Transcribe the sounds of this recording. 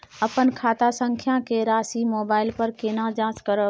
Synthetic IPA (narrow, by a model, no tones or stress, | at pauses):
əpənkʰaːt̪asə̃ŋkʰjãkeɾaːsimoːbaːɪlpəɾkenãd͡ʒãskəɾə